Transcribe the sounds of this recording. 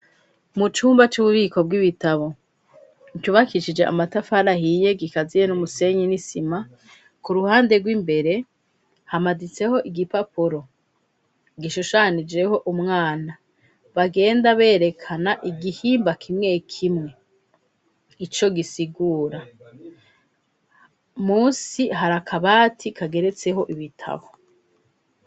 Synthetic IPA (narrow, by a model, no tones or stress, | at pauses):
mut͡ʃuːmbat͡ʃuβuβiːko̞b̚ɡiβitaβo̞ | ŋcuβakiʃid͡ʒe̞ʔa̰matafaɾahije̞ɡikazijenumuse̞ɲinisima | kuɾuhaːnde̞ɡwimbe̞ɾe̞ | hamazit͡se̞ho̞ʔiɡipapuɾo̞ | ɡiʃuʃanid͡ʒe̞ho̞ʔumŋaːna | βaɡe̞ːndaβe̞ːɾe̞kʰanaʔiɡihiːmbakʰimŋe̞kʰimŋe̞ | it͡ʃo̞ɡisiɡuːɾa | muːsihaɾakʰaβaːtʰikʰaɡe̞ɾe̞t͡se̞ɦo̞ʔiβitʰa̰βo